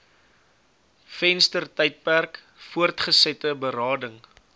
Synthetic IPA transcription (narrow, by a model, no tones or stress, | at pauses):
fɛnstərtɛjt̚pærk | fuərtχəsɛtəbəɾɑːdəŋ